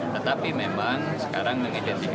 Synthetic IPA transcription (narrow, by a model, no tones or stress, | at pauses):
t̪ət̪apimemaŋsə̥kaɾaŋməŋidɛnt̪if